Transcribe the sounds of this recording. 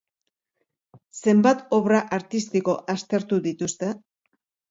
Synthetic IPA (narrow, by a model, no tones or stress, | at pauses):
se̞mbat̪o̞βɾaʔaɾt̪ist̪iko̞ʔast̪e̞ɾt̪uðit̪ust̪e̞